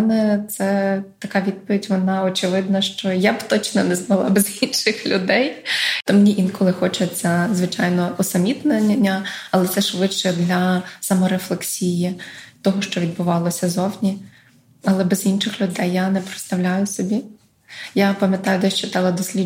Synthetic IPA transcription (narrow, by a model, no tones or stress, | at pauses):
nɛt̪sɛt̪ɐkɑʋʲid̪̚pɔʋʲitʲʋɔnɑɔt͡ʃɪʋɪd̪̚nɐʃt͡ʃɔjabt̪ɔt͡ʃnɔnɛzmɐlˠɑ̰bɛzinʃɪxlʲʊd̪ɛjt̪ɔmnʲiʔinkɔlˠɪxɔt͡ʃet͡sʲːɐzʋɪt͡ʃɑjnɔɔsɐmʲit̪nɐnʲnʲːɐɐlˠɛt̪sɛʃʋɪt͡ʃɛd̪lʲɐsɐmɔɾeflˠeksʲijit̪ɔɦɔʃt͡ʃɔʋʲid̪̚bʊʋɑlˠɔsʲɐzɔwnʲi | ɐlˠɛbɛzinʃɪxlʲʊd̪ɛjːanɛpɾɪt̪st̪ɐʋlʲajʊsɔbʲi | japɐmʲjɐt̪ɑjʊd̪ɛʃt͡ʃɪt̪ɑlˠɐd̪ɔsʲlʲi